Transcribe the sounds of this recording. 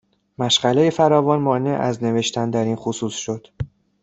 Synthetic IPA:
mæʃɢæle̞je̞fæɾɒːvɒːnmɒːne̞ʔæzne̞ve̞ʃt̪ʰænd̪æɾiːnxosuːsʃo̞d̪̥

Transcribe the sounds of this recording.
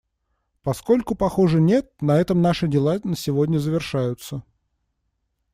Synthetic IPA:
pɐsko̞lʲkʊpɐxoʐɨnʲe̞t̪̚nɐɛt̪əmnaʂɨdʲɪlˠanəsʲɪvodʲnʲəzəvʲɪrʂajʊt̪sə

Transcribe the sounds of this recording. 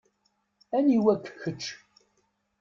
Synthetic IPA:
æniwækːçət͡ʃː

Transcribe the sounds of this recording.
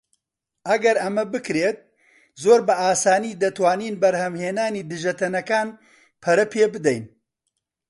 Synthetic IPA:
ʔɐɡɐɾɐmɐbɨkɾeːt̪̚ | zoːɾbɐʔaːsaːniːd̪ɐt̪waːniːnbɐɾhɐmheːnaːniːd̪ɨʒɐt̪ɐnɐkaːn | pʰɐɾɐpʰeːbɨd̪ɛjn

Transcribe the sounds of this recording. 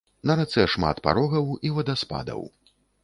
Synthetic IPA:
nɐɾat̪sɛʂma̰t̪pa̰ɾɔɣɐwivɐd̪aspa̰d̪ɐ̰w

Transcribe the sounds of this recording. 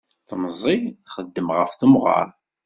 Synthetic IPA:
θəmzˤiθχəd̪ːəmʁəfθəmʁɑ̰ɾˤ

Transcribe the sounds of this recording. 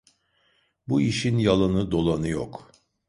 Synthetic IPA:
buiʃinjalˠanɯd̪o̞lˠanɯjo̰k

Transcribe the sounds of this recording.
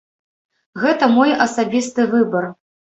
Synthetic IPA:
ɣɛt̪ɐmɔjɐsabʲist̪ɨvɨbɐr

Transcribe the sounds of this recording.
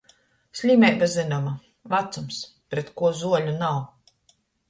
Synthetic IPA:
sʲlʲimʲɛjbazɨnama | vat̪sums | pɾɛt̪kuɔzuɔlʲunaw

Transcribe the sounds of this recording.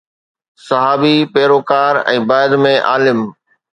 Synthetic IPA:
sɐɦaːbipeːɾoːkaːɾɛ̰̃ːbaːɪd̪mẽʔaːlɪm

